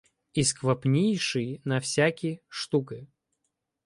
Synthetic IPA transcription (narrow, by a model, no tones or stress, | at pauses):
iskvɐpnʲejʂɨjnɐfsʲakʲijəʂt̪ukɨ